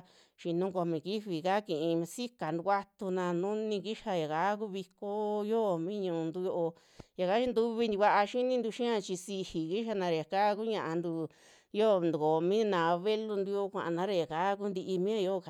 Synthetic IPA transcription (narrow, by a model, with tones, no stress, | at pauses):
ʃi˧nũ˧ko˧mĩ˨ki˦βi˨ka˦kĩ˨ʔĩ˧si˦ka˨nu˧kʷa˦t̪u˧nã˧nũ˦nĩ˧ki˦ʃa˧ja˨ka˨˦k̬u˦βi˧ko˦jo˦˧˨mĩ˦ɲũ˧ũ˧nd̪u˧jo˧ʔo˧ | ja˨ka˦ʃi˦nd̪u˧βi˧ni˧βa˧ʔa˧ʃi˦nĩ˧nd̪u˧ʃĩ˦ã˧t͡ʃi˧si˧hi˨ki˦ʃa˧nã˧ɾa˧˨ja˨ka˦k̬u˦ɲã˧ʔa˧nd̪u˧ | jo˦˧nd̪u˨ko˨˧mĩ˦nã˨˧βe˦lu˧nd̪u˧jo˧˦kʷã̰˨ʔã˧nã˦ɾa˧˨ja˨ka˦ku˦nd̪i˧ʔi˧mĩ˦ã˧jo˦˧˨